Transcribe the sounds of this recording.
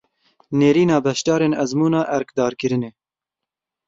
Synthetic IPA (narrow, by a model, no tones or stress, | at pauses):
neːɾiːnɑːbɛʃt̪ɑːɾeːnɛzmuːnɑːʔɛɾkd̪ɑːɾkɨɾɨneː